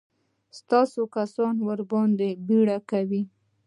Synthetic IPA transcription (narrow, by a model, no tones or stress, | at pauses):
st̪ɑsokasɑnwəɾbɑnd̪ebiɽakawi